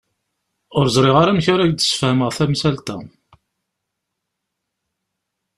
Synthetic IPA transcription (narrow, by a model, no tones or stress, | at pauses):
ʊɾzˤɾˤɪʁaɾæmçaɾæçd̪ə̥sə̥fhəməʁθæmsælt̪æ